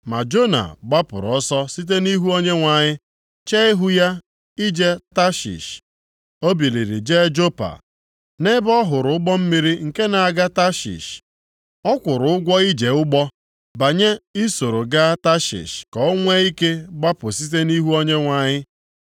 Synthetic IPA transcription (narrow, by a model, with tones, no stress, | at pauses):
ma˨d͡ʒo˦na̰˨ɡ͡ba˦pʊ̰˨ɾɔ˦sɔ˦si˦t̬e˦ni˦ɦu˦o˦ɲe˦ŋʷa˨ɲɪ˦ | t͡ʃe˦ɪ˦ɦʊ˦ja˦ | i˦d͡ʒe˦ta˦ʃḭ˨ʃ | o˦bi˨li˨ɾi˨d͡ʒe˦d͡ʒo˦pa̰˨ | ne˦bɔ˦ɦʊ˨ɾʊ˨˦ʊ˦ɡ͡bɔ˦m̩˦mi˦ɾi˦ŋ̩˨ke˦na˨a˨ɡa˦ta˦ʃḭ˨ʃ | ɔ˦kʷʊ˨ɾʊ˨˦ʊ˦ɡʷɔ˦i˦d͡ʒe˨ʊ˦ɡ͡bɔ˦ | ba˨ɲe˦i˦so˨ɾo˨ɡa˦ta˦ʃḭ˨ʃkɔ˨o˦ŋʷe˦i˦ke˦ɡ͡ba˦pʊ˨si˦t̬e˦ni˦ɦu˦o˦ɲe˦ŋʷa˨ɲɪ˦